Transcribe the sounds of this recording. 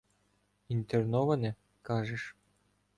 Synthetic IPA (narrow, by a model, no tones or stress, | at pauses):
int̪ernɔʋɐnɛ | kɑʒɛʃ